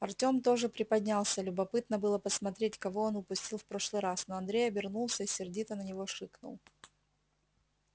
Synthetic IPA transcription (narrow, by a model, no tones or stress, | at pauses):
ɐrtʲo̞mt̪o̞ʐɨpɾʲɪpɐdʲnʲalˠsʲəlʲʊbɐpɨt̪nəbɨlˠəpəsmɐt̪ɾʲetʲkɐvo̞onʊpʊsʲtʲilˠfpɾo̞ʂlˠɨjɾasnoɐnd̪ɾʲejɐbʲɪrnulˠsʲəisʲɪrdʲit̪ənənʲɪvo̞ʂɨknʊ̰lˠ